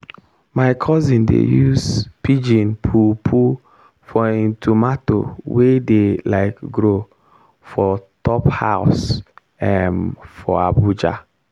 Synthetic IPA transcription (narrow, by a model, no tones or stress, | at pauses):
maɪkʰɔzĩndḛjuzpid͡ʒĩnpʰupʰu | fɔĩntʰumato̰wedelaɪkɡɾo | fɔtɔpha̰ʊs | ɛnfɔa̰bud͡ʒa̰